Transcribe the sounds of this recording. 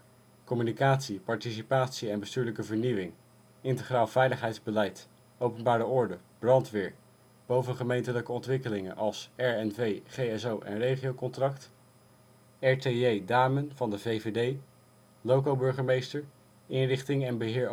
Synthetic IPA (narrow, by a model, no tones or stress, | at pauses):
kɔmynikaːtsipɑɹtisipaːtsiɛnbəstyːɹləkəvəɹniwɪŋ | ɪntəχraːlˠv̥ɛjləχɦɛjdzbəlɛjt | owpənbaːɾəʔɔɹdəb̥rɑntʋɪːɹ | b̥owvənχəmejntələkəɔntʋɪkəlɪŋə̰nʔɑlˠsɛɹɛnvejχejɛsowʔɛ̰nrejχiowkɔntrɑkt | ɛɹteejdaːmənv̥ɑndəvejvedej | lowkowbɵɹχəɹmejstəɹ | ɪnrɪχtɪŋɛnbəɦɪːɹ